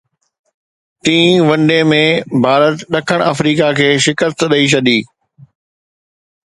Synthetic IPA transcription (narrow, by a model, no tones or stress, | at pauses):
t̪ĩːʋɐ̃ɳɖemẽbʱaːɾət̪ɗɐkʰəɽ̃ɐfɾiːkakʰeːʃɪkəst̪ɗəit͡ɕʰɐd̪iː